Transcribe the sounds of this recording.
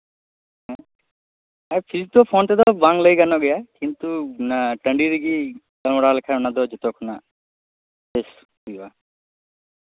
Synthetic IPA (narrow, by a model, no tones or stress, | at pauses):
ɦɛ | apʰiɾit̪ɔpʰont̪ed̪ɔbaŋləjɡanɔɡɛjakint̪unaʈəɳɖiɾiɡi | kɐlmɔɽalekʰanad̪ɔd͡ʒɔt̪ɔkʰɔna | es | ɦujba